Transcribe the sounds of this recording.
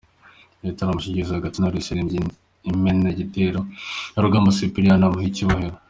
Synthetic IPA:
etaɾamuʃiciɾizahaɡatinaɾuisiɾiːmɟi | imenaɟiteɾonaɾuɡaːmbasipiɾianamuhiciβaheɾo

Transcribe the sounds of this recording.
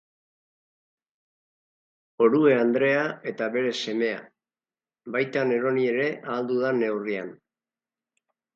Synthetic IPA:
o̞ɾue̞and̪ɾe̞ae̞t̪aβe̞ɾe̞se̞me̞a̰ | bajt̪ane̞ɾo̞nie̞ɾe̞ʔaːld̪uðane̞wrian

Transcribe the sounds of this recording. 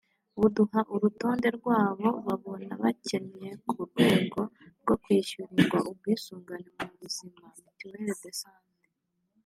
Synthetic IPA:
uduhaʔuɾuto̞ːnde̞ɾɡwaːβo̞βaβo̞naβace̞ne̞kʰuɾɡwe̞ːɡo̞ɾɡo̞kwiːʃuɾiɾɡwaʔub̚ɡwiːsuːŋɡanemuβuz̥imamitiweɾedesaːne

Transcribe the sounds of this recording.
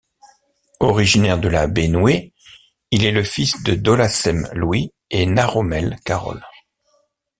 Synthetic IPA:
ɔʁiʒinɛʁd̪əlabenwe | ilɛləfisd̪əd̪olasɛmlwi | enaʁɔmɛlkaʁɔ̰l

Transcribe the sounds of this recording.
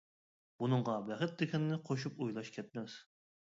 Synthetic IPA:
b̥unɨɴʁɑbɛχɨt̪̚d̪ɪkʲʰɛnːɪqʰoʃ̬upujlˠɑʃkʲʰɛt̪̚mɛs

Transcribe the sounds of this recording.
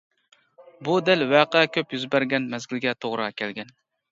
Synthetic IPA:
bud̪ɪlvæqʰɛkʲʰɵpjyzbæɾɡʲɛnmæzɡʲɪlɡʲɛt̪ʰoʁɾɑkʲʰælɡʲɛn

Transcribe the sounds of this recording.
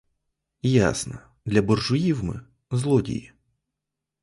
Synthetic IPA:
ja̰snɐ | d̪lʲɐbɔrʐʊjiwmɨ̰ | zlˠɔdʲḭji

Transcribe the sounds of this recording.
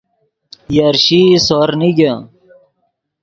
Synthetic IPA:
jɐɾɕisoɾniɡa

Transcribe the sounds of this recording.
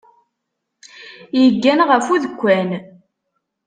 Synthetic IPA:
jəɡːænʁəfuðəkʷːæn

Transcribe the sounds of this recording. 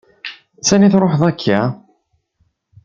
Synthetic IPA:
sæniθɾˤoħðˤækʰːa

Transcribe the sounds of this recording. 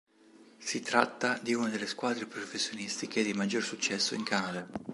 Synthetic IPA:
sit̪ɾat̪ːad̪iunad̪elːeskwaːd̪ɾepɾofesːjonist̪iked̪imad͡ʒːorsut͡ʃːɛsːoiŋkanad̪a

